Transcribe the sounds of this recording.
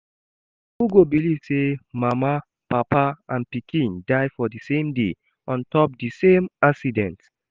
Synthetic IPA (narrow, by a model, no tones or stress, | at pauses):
uɡobilivsemama | papaãnpikʰĩndaɪfɔdisẽmde | ʔɔ̃ntʰɔp̚disẽmaksidɛ̃nt